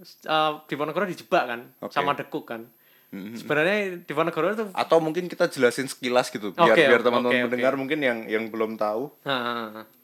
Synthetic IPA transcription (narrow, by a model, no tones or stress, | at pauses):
əd̪̥ipɔnəɡ̥ɔɾɔdid͡ʒə̥b̥aʔkanosamad̥əkʊʔan | sə̥b̥aɾaɲad̪̥ipɔnəɡ̥ɔɾɔt̪uʔa̰t̪awmuŋkɪnkit̪ad͡ʒəlasɪnsə̥kilasɡ̥it̪uboiaɾeiart̪amannməndəŋarmuŋkɪnjaŋjaŋbəlʊmt̪aua